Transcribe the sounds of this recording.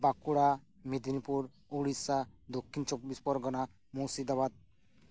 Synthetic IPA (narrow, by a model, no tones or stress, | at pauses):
bakuɽa | mid̪inipuɾ | oɽisad̪okʰːint͡ʃɔbːispɔɾɡɔna | mosid̪abad̪̚